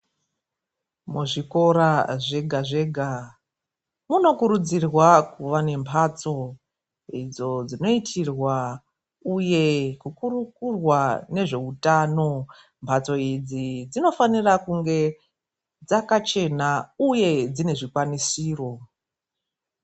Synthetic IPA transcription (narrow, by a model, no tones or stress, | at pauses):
muʐiko̞ɾaʐe̞ɡʱaʐe̞ɡʱa | muno̞kuɾud͡zirwakuʋane̞mpʰat͡so̞ | id͡zo̞d͡zino̞itʰirwa | uje̞kukuɾukurwane̞ʐe̞utano̞ | mpʰat͡so̞id͡zid͡zino̞fanirakuŋɡe̞ | d͡zakat͡ʃe̞nauje̞d͡zine̞ʐikwanisiːro̞